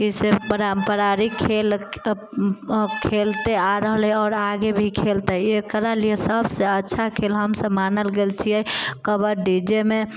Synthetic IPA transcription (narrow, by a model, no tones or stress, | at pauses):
kisepəɾəmpəɾaɾikʰel | kʰelt̪eaɾəɦəlɦɛɔːɾaɡebʱikʰelt̪əekɾaliesəbʱseətːʃʰakʰelɦəmsəbmanəlɡelt͡ʃʰiɛkəbəɾɖid͡ʒeme